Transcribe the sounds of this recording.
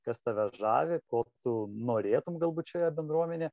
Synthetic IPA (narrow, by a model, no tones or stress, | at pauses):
kɐst̪ɐʋʲɐʒɑ̰ːʋʲɪkoːt̪ʊnoːɾʲeːt̪ʊmɡɐlˠbuːt̪ʲt͡ʃʲoːjɛbʲɛnd̪ɾuɔmʲɛnʲeː